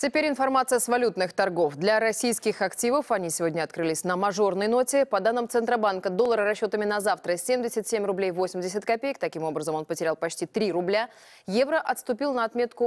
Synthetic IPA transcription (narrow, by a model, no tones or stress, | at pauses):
tʲɪpʲeɾʲɪnfɐrmat̪sɨjəsvɐlʲut̪nɨxt̪ɐrɡo̞fd̪lʲɐɾɐsʲijskʲɪxɐktʲivəfɐnʲisʲɪvo̞dʲnʲəɐt̪kɾɨlʲɪsʲnəmɐʐo̞rnəjno̞tʲɪpɐd̪anːɨmt̪sɨnt̪ɾəbankəd̪olˠːəɾəɾɐɕːo̞t̪əmʲɪnɐzaft̪ɾəsʲemdʲɪsʲɪtʲsʲemʲrʊblʲejvosʲɪmʲdʲɪsʲɪt̪ʲkɐpʲejɪk̚t̪ɐkʲimo̞bɾəzəmo̞npətʲɪɾʲalˠpɐt͡ɕtʲit̪ɾʲiɾʊblʲa | jevɾəʔɐt̪st̪ʊpʲilˠnəɐt̪mʲe̞t̪kʊ